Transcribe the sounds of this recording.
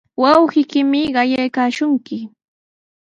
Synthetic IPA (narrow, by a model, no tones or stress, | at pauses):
wɑwhɪkɪmɪɢɑjajkaːʃʊŋkɪ